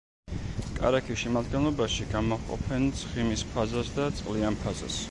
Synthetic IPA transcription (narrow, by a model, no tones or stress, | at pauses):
kʼa̰ɾakʰiʃimad̪ɡɛnlˠɔbaʃiɡamaʁqʼɔ̰pʰɛnt̪sʰχimispʰazasd̪at̪sʼqʼlianpʰaza̰s